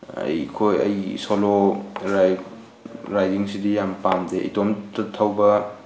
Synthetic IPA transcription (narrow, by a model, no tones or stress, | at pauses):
ɐ̰jkʰojɐ̰jsoloɾaj | ɾajdiŋsidijampamdeʔḭtomtɐtʰawbɐ